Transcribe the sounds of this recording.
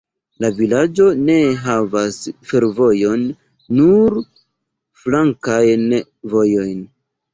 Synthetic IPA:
lavilad͡ʒo̞ne̞ɦavasfe̞ɾvo̞jo̞nː | uɾ | flaŋkajn | vo̞jo̞jn

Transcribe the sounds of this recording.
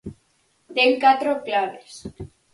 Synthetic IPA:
t̪eŋkat̪ɾoklaβes

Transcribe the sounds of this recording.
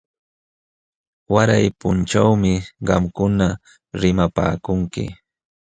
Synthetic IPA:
waɾajpʊnt͡ʃawmɪɢɑmkʊna | ɾɪmapa̰ːkʊŋkɪ̰

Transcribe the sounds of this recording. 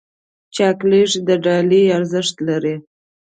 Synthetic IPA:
t͡ʃɑkleʂd̪əɖɑliaɾzəʂt̪laɾi

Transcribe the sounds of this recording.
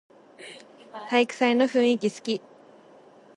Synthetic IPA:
t̪aikɯ̟̥saino̞ɸɯ̟̃ɰ̃ikʲisɨ̥kʲi

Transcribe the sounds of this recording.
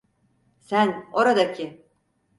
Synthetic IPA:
sæno̞ɾad̪acʰɪ

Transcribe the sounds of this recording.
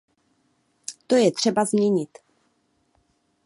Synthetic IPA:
t̪o̞jɛt̪r̥ɛbazmɲɛɲɪt̪

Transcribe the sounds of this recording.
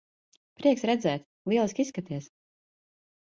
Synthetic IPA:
pɾiɛksɾɛd̪zɛːt̪ | lˠiɛlˠiskʲisːkat̪iɛs

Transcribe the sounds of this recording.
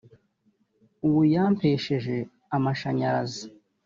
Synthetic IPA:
uwujaːmpeʃeʒe̞ | amaʃaɲazi

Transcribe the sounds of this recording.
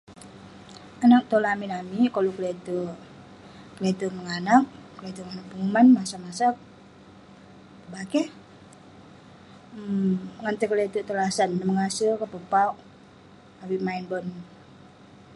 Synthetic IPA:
anak̚t̪olaminamikolukəlɛt̪u | kəlɛt̪uməŋanak̚kəlɛt̪uŋanak̚puŋumanmasamasak̚ | əbakɛ | ŋant̪əkəlɛt̪ut̪olasanːəməŋasəkəpəpauʔ | awimainbɔn

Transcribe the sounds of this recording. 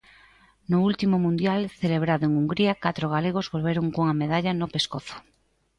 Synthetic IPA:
noult̪imomũnd̪jalθeleβ̞ɾaðoeŋuŋɡɾiakat̪ɾoɣ̞aleɣ̞ozβo̞lβ̞eɾoŋkoŋameðaʎanopeskoθo̥

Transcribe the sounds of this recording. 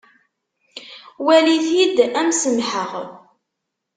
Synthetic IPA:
wæliθjid̪æmsəmħəʁ

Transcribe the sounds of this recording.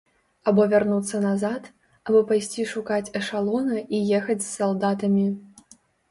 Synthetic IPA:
abɔvʲarnut̪sːɐnazat̪ | abɨpajsʲt͡sʲiʂukat͡sʲɐʂalˠɔnɐijɛxɐt͡sʲssalˠd̪at̪ɐmʲi

